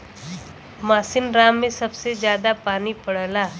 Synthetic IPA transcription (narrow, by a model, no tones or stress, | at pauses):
maːsɪnɾaːmːẽsɐbsezjaːd̪apaːnipɐɽ̤laː